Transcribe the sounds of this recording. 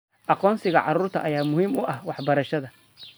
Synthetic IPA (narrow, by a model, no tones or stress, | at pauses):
ʔɑqɔːnsɪɣɐʕɑɾuːrt̪ʰɐ̰ʔɐjaːmʊhiːmʊʔɐhwɑħbɐɾɐʃɐðɐ